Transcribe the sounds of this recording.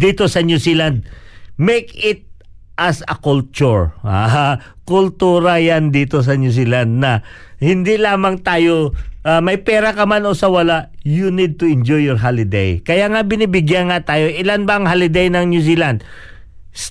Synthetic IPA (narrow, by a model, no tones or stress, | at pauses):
d̪iːt̪o̞sɐnjusiland̪̚mɛjkɪt̪̚ | ʔɐsɐ̰kult͡ʃʊɹa̰ | kʊlt̪uːɾɐjand̪iːt̪os̬ɐnjus̬iːland̪̚nɐ | hɪnd̪ilaːmɐŋt̪aːjoʔamɐjpɛːɾɐkɐmanosɐwɐlaʔjunid̪̚t̪ʊɪnd͡ʒɔjːɔɹɦalɪd̪ḛjkɐjaŋabɪnibɪɡjanŋat̪aːjo̞ʔɪlanbɐɐŋɦalɪd̪ejnɐŋnjusiːland̪̚ | s